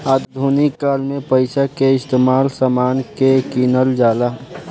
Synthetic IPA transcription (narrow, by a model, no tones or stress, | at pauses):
ad̪d̪ʱunikːaːlmẽpəɪsakeɪst̪emaːlsamaːnkekinəld͡ʒaːla